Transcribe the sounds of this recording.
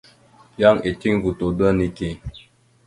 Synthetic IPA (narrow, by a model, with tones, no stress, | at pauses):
ja˦ŋe˨ti˦ŋɡu˨to˨dwa˦ni˨ke˨